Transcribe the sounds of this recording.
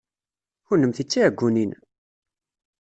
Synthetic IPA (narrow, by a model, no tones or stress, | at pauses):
ʊnəmθit͡sːiəɡʷːunin